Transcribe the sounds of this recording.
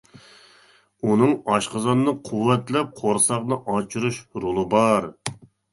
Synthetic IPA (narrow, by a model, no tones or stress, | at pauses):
unɨŋɑʃqəzɑnɨnɨqʰuwːɛt̪lɛp̚qʰoɾsɑqnɨʔɑt͡ʃʰuɾuʃɾolˠɨbɑɾ